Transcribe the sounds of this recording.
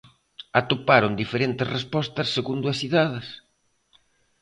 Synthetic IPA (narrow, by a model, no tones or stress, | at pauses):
at̪opaɾʊnd̪ifeɾent̪ɪzrespɔst̪ɐsːeɣund̪ʊɐsiðaðɪs